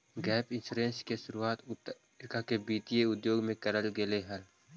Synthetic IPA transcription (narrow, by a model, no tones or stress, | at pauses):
ɡɛːpɪ̃nsuːɾẽnskeʃʊɾuaːt̪ | kakebiːt̪ijeʊd̪joːɡmẽkɐɾəlɡeleɦɐl